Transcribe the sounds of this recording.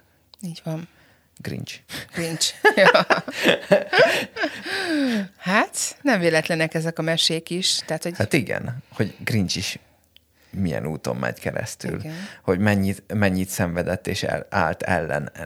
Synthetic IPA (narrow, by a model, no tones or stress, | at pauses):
iːɟʋɒn | ɡ̥rḭnt͡ʃɡ̥rint͡ʃj | hat̪nɛɱveːlɛt̪lɛnɛkɛzɛkɒmɛʃeːkiʃt̪ɛat̪hoɟhat̪iɡɛ̰nho̞ɟɡrint͡ʃiʃ | mijɛ̰nuːt̪o̞̰mːʔɛ̰ɟkɛɾɛ̰st̪ylnho̞ɟmɛɲːimɛɲːit̪sɛɱvɛd̪ɛt̪ːeːʃɛ̰aːlt̪ɛlːɛ̰n